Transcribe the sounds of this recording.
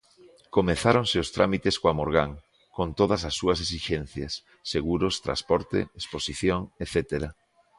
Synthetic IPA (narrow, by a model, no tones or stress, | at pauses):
komeθaɾonseʊst̪ɾʔamit̪eskoamoɾɣaŋ | kont̪oð̞ɐsɐsːuɐs̬esiʃen̟θjasː | eɣuɾost̪ɾa̰spɔɾt̪ḛesposiθjoŋeθɛt̪eɾa